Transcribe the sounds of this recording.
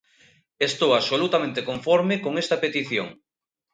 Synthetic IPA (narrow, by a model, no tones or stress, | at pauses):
est̪owaβsolut̪amẽnt̪ekoɱfɔɾmekoŋest̪ɐpet̪iθjo̰ŋ